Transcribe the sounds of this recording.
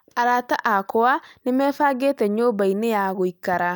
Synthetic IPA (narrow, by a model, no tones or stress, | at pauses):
aɾataʔakoanemɛːfaːɡeːtɛɲoːbainejaɣoikaɾa